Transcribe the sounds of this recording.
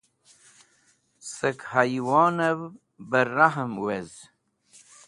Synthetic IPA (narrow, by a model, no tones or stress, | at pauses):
səkhajwɑːnəv | bəɾaɦəmwez